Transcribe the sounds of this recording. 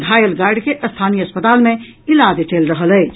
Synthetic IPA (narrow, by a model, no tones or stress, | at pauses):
ɡʱaːjəlɡaːɾɖkeʔəst̪ʰaːnijəəspət̪aːlmẽ | ɪlad̪eʈeːlɾəɦəlɛː